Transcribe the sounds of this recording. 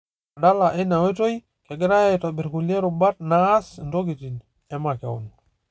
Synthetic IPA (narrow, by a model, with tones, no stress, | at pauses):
a˨da˦la˨ʔe˦na˨we˦to˦j | ke˨ɡɪ˦ɾa˦jajta˨bi˨ɾkulie˦ɾuba˦t̚na˦sndo˦ɡi˨tin | ɛ˨makɛ̰˨wɔ̰n